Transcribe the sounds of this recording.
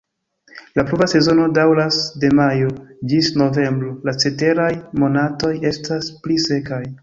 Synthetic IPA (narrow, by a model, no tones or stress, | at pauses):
laplubase̞zo̞no̞dawɾasde̞majod͡ʒisno̞ve̞mbɾo̞lat͡se̞te̞ɾajmo̞nato̞je̞stasplise̞kaj